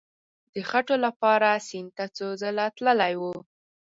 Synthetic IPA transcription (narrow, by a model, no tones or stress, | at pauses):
d̪̥əxaʈolapɑɾasint̪at͡sozəlat̪ləlajwu